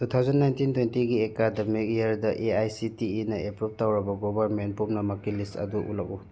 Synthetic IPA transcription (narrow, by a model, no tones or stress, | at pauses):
tutʰawzanːajntintwentiɡiekademik̚ieɾdɐʔeajsitiinɐepɾup̚tawɾɐbɐɡɔbɐɾmenpumnɐmakilistɐ̰duʔṵlak̚u